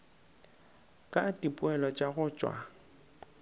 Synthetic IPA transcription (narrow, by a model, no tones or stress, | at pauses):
kʼatʼipʼʊɛlɔt͡ʃʼaɣʊt͡ʃʼwa̰